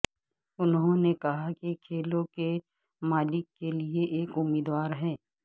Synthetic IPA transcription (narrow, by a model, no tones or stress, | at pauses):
ʊnɦõnekɐɦakikʰeːlõke | maːlɪkːelieʔeːkʊmiːd̪waːɾɦɛ̃ː